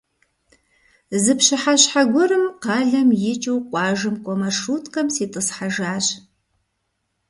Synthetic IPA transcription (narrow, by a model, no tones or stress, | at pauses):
zɨpɕɨħaɕħaɡʷʊɾɨmqɑːɮɐmjɪt͡ʃʼɨwqʷɑːʒɨmkʷʼɔmɐʂuːtʰʼkʼɐmsiːtʼɨsħaʒaːɕ